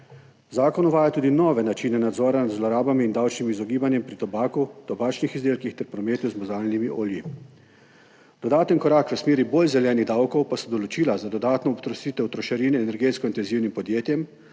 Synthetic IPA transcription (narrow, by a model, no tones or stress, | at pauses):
zaːkɔnɔʋaːjat̪uːd̪inɔːʋɛnat͡ʃiːnɛnad̪zɔːɾanad̪zlɔɾaːbamiːnd̪awt͡ʃnimizɔɡiːbanjɛmpɾit̪ɔbaːkut̪ɔbaːt͡ʃnixizd̪eːlkixt̪ɛɾpɾɔmeːt̪uzmɔzaːlnimiʔoːlji | d̪̥ɔd̪aːt̪ənkɔɾaːkʋəsmeːɾiboːlzɛljɛːniɣd̪awkɔwpasɔd̪ɔlɔt͡ʃiːlazad̪ɔd̪aːt̪nɔːpt̪ɾɔsiːt̪ɛwt̪ɾɔʃaɾiːnɛɛnɛɾɡeːt̪skɔint̪ɛnziwnimpɔd̪jeːt̪jɛm